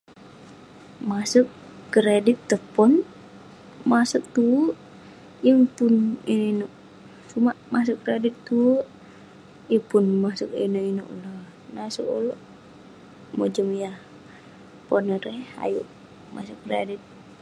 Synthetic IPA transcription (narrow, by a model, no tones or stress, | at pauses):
masukː | ɾedit̪ːəpɔn | masək̚t̪u | jəŋpuninoinoʔ | sumaʔmas̬əkːɾedit̪ːu | jəpunmasukḭnoino̰ʔlə | nasṵko̰loʔ | mod͡ʒəmjah | ponəɾɛa̰juʔ | ma̰sukːɾḛdit̪̚